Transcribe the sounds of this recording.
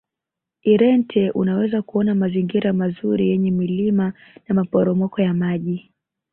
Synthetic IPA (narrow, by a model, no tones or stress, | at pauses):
iɾɛntʰɛʔunawɛzakuɔnamaziŋɡiɾamazuɾijɛɲɛmilima | namapɔɾɔmɔkɔjamaʄi